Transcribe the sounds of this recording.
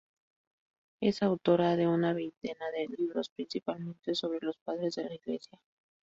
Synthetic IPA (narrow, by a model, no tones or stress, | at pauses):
e̞sawt̪o̞ɾaðe̞unaβe̞jnt̪e̞naðeliβɾo̞spɾinsipalmẽ̞nt̪e̞so̞βɾe̞lospaðɾe̞zðe̞laiɣle̞sja